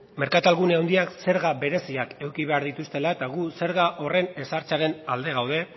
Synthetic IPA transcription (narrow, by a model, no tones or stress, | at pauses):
me̞ɾkat̪alɣuneawnd̪iakse̞ɾɣaβe̞ɾe̞siake̞wkiβ̞e̞aɾðit̪ust̪e̞laet̪aɣ̞use̞ɾɣaʔo̞re̞ne̞saɾt͡saɾe̞nald̪e̞ɣawðe̞